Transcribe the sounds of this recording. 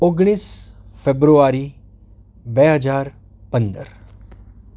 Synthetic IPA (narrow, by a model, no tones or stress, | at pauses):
oɡɽ̃iːsfebɾuaɾi | beɦəd͡ʒaːɾ | pənd̪ə̰ɾ